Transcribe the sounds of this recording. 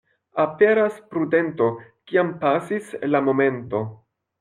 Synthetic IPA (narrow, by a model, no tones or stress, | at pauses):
ape̞ɾaspɾude̞nto̞kiampasislamo̞me̞nto̞